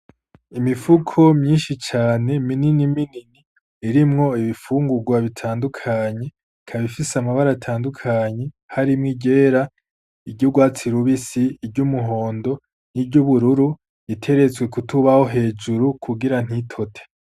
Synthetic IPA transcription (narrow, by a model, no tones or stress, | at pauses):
imifukʰo̞mɲiːnʃit͡ʃaːne̞mininimininiː | ɾimŋo̞iβifuːŋɡuɡwaβitʰaːndukʰaɲe̞ | kʰaβifisamaβaɾatʰaːndukʰaɲe̞ | haɾimŋiɟe̞ːɾa | iɟoɡwaːt͡siɾuβisiːbɟumuɦo̞ːndo̞ | nibɟuβuɾuɾu | itʰe̞ɾe̞t͡swe̞kutʰuβaho̞ɦe̞ːd͡ʒuɾukʰuɡiɾan̥hitʰo̞tʰe̥